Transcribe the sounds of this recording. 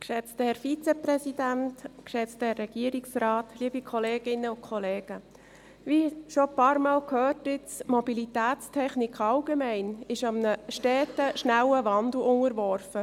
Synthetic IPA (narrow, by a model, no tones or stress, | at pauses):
kʃɛt͡stəhɛɾfit͡sɛpɾɛsidæntkʃɛt͡stəhɛrːɛɡ̥iəɾiksɾɑːtliəbikʰχɔleːɡ̥ɪnːəʊkʰχɔleːɡ̥ə | viʃopɑːɾmɑːlkʰhøːtɪt͡smɔbilitæːt͡stʰɛχnɪkʰɑlɡemæɪnɪʃɑmnəʃtɛːtəʃnæwəvɑnd̪l̩ʊŋəɾʋɔɾfə